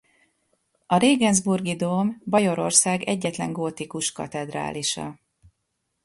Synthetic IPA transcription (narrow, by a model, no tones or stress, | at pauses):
ɒɾeːɡɛnzburɡid̪oːmbɒjo̞ɾo̞̰rsaːɡɛɟːɛt̪lɛŋɡoːt̪ikuʃkɒ̰t̪ɛd̪ra̰ːlʔiʃɒ̰